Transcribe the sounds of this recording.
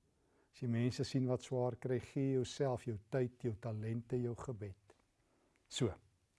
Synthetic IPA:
ɑsjəmɛːnsəsinvɐtswɑːrkrɛjχiəjœwsælˠfjəwtəjtjœwtɐlɛntəjəwχəbɛt | suə

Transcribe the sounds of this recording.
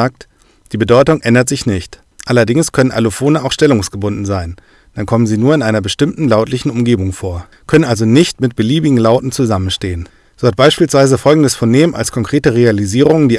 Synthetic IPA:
aːk̚t | d̥iːbədɔʏtʊŋʔɛndɐtz̥ɪçnɪçt | ʔalɐdɪŋskʰœnənʔa̰lofoːnəaʊxʃtɛlʊŋsɡ̥əbʊndn̩zaɪn | d̥ankʰɔmənziːnuːɐɪnʔaɪnɐbəʃtɪmtn̩laʊtlɪçn̩ʊmɡeːbʊŋfoːɐ | kʰœnənʔalzonɪçtmɪt̚b̥əliːbɪɡŋ̩laʊtn̩t͡suzamənʃteːən | z̥oːhat̚b̥aɪʃpiːlsv̥aɪzəfɔlɡŋ̩dəsfoɐneːmma̰lskʰɔŋkʁ̥eːtəʁealiziːʁ̞ʊŋəndiː

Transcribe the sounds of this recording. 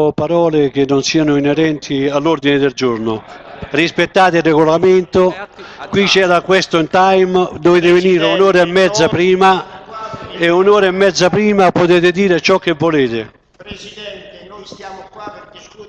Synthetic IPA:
paɾɔːlɪk̟ɪnːʊnsiːanʊinɛɾɛnt̪ʰialːuɾd̪inɪd̪eld͡ʒuɾnʊrispet̪ːaːt̪ɪilrːɛɡolament̪ʊkwit͡ʃːɛːɾakwest̪ʊint̪ajmd̪oveːt̪̬ɪvɪniːɾɪunɔːɾaemːɛd̪zːapɾiːma | eunɔːɾaemːɛd̪zːapɾiːmapot̪̬eːt̪ɪd̪iːɾɪt͡ʃɔk̟ːevːoleːt̪ɪ

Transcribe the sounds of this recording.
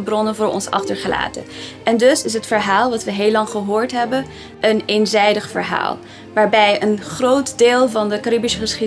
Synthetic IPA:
əbrɔnənvʊːɹɔ̰nsɑ̰χtəɹχəla̰ːtə̰ʔɛndɵsɪs̬ɦətfəɹɦaːlˠʋɑtʋəɦeːlɑŋχəɦoːɹtɦɛbən | ʔənenzɛjdəχfə̰ɹɦa̰ːlˠ | ʋaːɹbɛjənχrowtdeːlˠvɑndəkaɾibisəχəsχi

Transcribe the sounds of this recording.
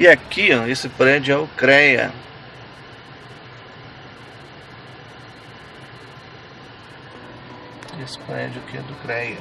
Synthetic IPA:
ɪakiɐ̃esɪpɾɛd͡ʒʊɛʊkɾɛjɐ̰ | esɪ̥pɾɛ̰d͡ʒʊakɪɛ̰d̪ʊkɾɛjɐ

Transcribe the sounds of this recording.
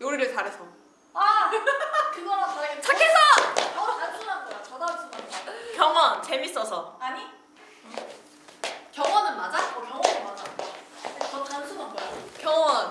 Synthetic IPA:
joɾiɾɯɭt͡ɕaɾesʰʌ | a | kɯɡʌɾasʰaɡit͡ɕʰakʰesʰakjʌŋʌnansʰunantʌɾat͡ɕʌdansʰunaakjʌŋwʌnt͡ɕe̞mis͈ʌsʰʌaɲi | kjʌŋwʌnɯnmad͡ʑakokjʌŋwʌnɯnmad͡ʑaot͡ɕʌt͡ɕansʰumanboɾakjʌŋwʌn

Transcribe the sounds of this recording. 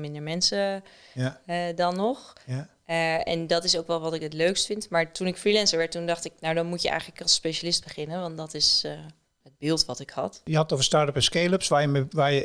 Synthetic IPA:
mɪndəɹmɛnsə | dɑnːɔχ | ɛ̰ndɑtɪsowkʋɛlˠʋɑtɪkɦətløɥkstfɪntmaːɹtunɪkfrilɛnsəɹʋɛɹtːundɑχtɪknawdɑnmutjəʔɛ̰jχənləkɑlˠspejʃalɪsd̚bəχɪnənʋɑntdɑtɪs | əd̚bɪːlˠtʋɑtɪkhɑ̰tjəɦɑtətovəstɑːɹtəpɛnskeləpsʋaːjəʋaːjə

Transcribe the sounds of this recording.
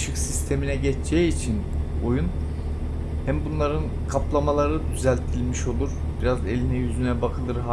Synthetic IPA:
ʃɯksist̪ʰe̞minɛɟɛt͡ʃt͡ʃʰɛiːt͡ʃʰin | o̞jun | hæmbunlˠaɾɯn | kʰaplˠamalˠaɾɯd̪yzælʲt̪ʰilʲmiʃo̞lˠuɾ | biɾaze̞lʲinɛjyzynɛbakʰɯlˠɯɾɦa

